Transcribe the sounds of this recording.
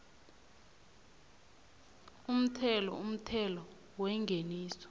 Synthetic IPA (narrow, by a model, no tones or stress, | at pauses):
um̩tʰɛlɔ̰um̩tʰɛlɔ | wɛŋɡʱeniːsɔ̥